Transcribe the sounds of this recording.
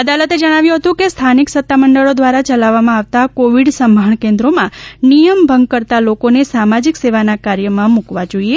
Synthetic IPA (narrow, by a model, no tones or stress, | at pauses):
əd̪alət̪ed͡ʒəɽ̃aʋjũɦət̪ũkest̪ʰaniksət̪ːaməɳɖəɭod̪ʋaɾat͡ʃəlaʋːamãaʋt̪akoʋiɖsəmbʱaɳkẽnd̪ɾomãnijəmbʱəŋɡ̚kəɾt̪alokonesamad͡ʒikseʋanakaɾjəmãmukʋad͡ʒoie